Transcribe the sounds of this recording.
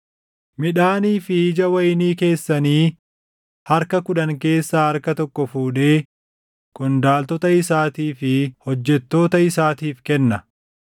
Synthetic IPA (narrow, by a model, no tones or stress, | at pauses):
mɪᶑaːniːfɪɪd͡ʒɐwɐjniːke̞ːsːɐniː | hɐɾkɐkʊᶑɐŋke̞ːsːaːhɐɾkɐt̪ɔkːɔfuːᶑe̞ː | kɔnd̪aːlt̪ɔt̪ɐɪsaːt̪iːfɪhɔd͡ʒːɛt̪ːo̞ːt̪ɐɪsaːt̪iːfkɛnːɐ